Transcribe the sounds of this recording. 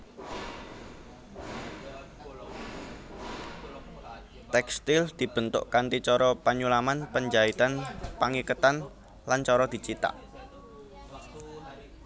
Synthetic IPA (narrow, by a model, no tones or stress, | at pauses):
t̪ɛkst̪ɪld̪̥i̤b̥ənt̪ʊ̰ʔkant̪it͡ʃɔɾɔpaɲulamanpəɲd͡ʒait̪anpaŋikət̪an | lant͡ʃɔɾɔd̪̥i̤t͡ʃit̪a̰ʔ